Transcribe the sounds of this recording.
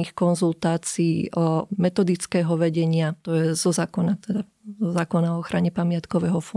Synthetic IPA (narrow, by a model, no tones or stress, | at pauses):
ixkɔnzult̪aːt͡siiːʔɔmɛt̪ɔd̪it͡skɛːɦɔʋɛɟɛɲɪat̪ɔjɛzɔzaːkɔnat̪ɛd̪a | zɔzaːkɔnaɔɔxɾaɲɛpamɪat̪kɔʋɛːɦɔfɔ